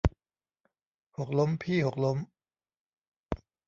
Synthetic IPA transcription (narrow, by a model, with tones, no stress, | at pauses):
ho˨˩k̚lo˦˥mpʰiː˥˩ho˨˩k̚lo˦˥m